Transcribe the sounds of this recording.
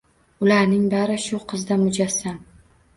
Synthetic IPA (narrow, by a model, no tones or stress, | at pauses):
ʊlaɾnɪŋbaɾɪʃʊqʰɨzd̪amʊd͡ʒasːam